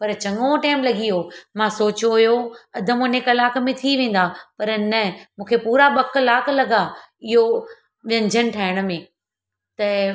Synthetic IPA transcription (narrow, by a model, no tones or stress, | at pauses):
pɐɾt͡ɕɐ̃ŋɡoʈaːɪmlɐɡiɦomãsoːt͡ɕoɦjoɐd̪ʱəmʊnekɐlaːkmẽt̪ʰiʋẽːn̆d̪apɐɾnɐmũːkʰepuːɾaɓɐklaːklɐɡa | ɪɦo | ʋjɐ̃ɲd͡ʑʱənɪ̆ʈʰaːɪɽ̃̆mẽ | t̪ɐ